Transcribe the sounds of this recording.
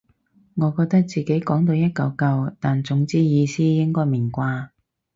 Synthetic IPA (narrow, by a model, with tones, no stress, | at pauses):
ŋɔː˨˧kɔː˧k̚t̪ɐ˥k̚t͡siː˨ke˨˥jkɔː˨˥ŋt̪o˧wjɐ˥t̚kɐ˨˧wkɐ˧wt̪aː˨nt͡sʊ˨˥ŋt͡siː˥jiː˨˧siː˥jɪ˥ŋkɔː˥jmi˨˩nkʷaː˧